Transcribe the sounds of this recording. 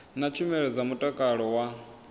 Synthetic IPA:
nat͡ʃʰumɛɺɛd͡zamutʼakʼaɺɔwa

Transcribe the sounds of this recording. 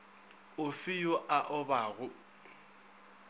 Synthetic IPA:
ʊfɪjʊʔaʔɔbaːɣʊ

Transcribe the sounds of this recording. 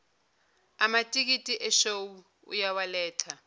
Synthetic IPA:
amatʼik̬itʼiʔɛʃowu | ṵjawalɛːtʰa

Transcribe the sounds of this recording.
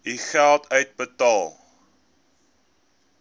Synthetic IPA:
iχælˠtʰœɥt̚bətɑːlˠ

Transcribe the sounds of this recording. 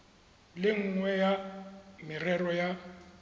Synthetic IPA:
lɪŋ̩ŋwɛjamɪrɛɾɔja

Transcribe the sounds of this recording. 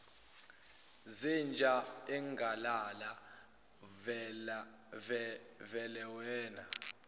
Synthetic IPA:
zind͡ʒʱaiŋɡʱalala | vɛ | vɛlɛwɛːna

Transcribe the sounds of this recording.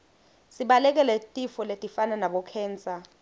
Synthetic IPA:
siɓalɛk̬ɛlɛtʼifɔletʼifananaɓɔkʰɛːnt͡sʼa

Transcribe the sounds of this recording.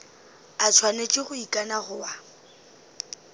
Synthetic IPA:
at͡sʰwanet͡ʃʼɪɣʊikʼanaχʊwa

